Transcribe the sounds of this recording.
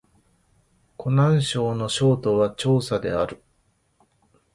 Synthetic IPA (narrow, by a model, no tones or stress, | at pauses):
kʰo̞nãɰ̃ɕo̞ːno̞ɕo̞ːt̪o̞βat͡ɕo̞ːsad̪e̞aɾɯ̟